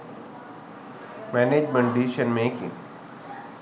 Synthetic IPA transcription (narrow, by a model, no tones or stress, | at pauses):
mɛːneːd͡ʒmə̃ɳɖiːʃənmẽkḭ̃